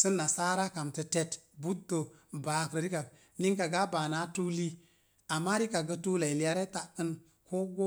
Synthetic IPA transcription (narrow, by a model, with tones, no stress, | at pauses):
sə˦nːa˨sa˦ɾa˦ka˨mtə˦te˦tbu˦tːo˨ba˨kɾə˨ɾi˦ka˨ | ni˦ŋka˨ɡa˦baː˨na˦tu˦li˦ | a˨mːa˦ɾi˦ka˨ɡə˦tu˦la˨i˨li˨˦a˦ɾe˦ta˨ə˦n | kʰo˦ɡo˦